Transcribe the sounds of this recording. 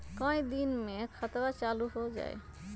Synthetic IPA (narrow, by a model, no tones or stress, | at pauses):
kɔ̃ĩd̪inmẽkʰət̪ʋat͡ʃaluɦod͡ʒa̰ːḛ